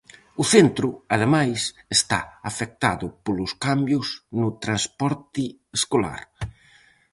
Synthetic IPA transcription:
ʊθent̪ɾʊaðemajs | est̪a̰afek̚t̪aðʊpolʊskambjʊznʊt̪ɾanspɔɾt̪ɪ | eskola̰ɾ

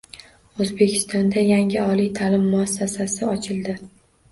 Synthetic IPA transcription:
ɵzbe̞kʲʰɪ̥st̪ɒnd̪ajaŋʲɪɒlijt̪ʰalɪmːʊasːasasɪɒt͡ʃʰɪlˠd̪ɪ

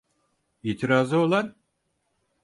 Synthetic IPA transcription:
iːt̪ʰiɾaːzɯo̞lˠan

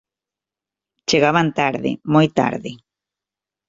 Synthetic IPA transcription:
t͡ʃeɣaβant̪aɾðɪ̰mojt̪a̰ɾðɪ

